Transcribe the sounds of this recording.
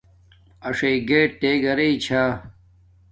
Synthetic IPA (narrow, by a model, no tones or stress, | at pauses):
ɐʂeiɡeːʈeːɡɐɾeit͡ɕʰaː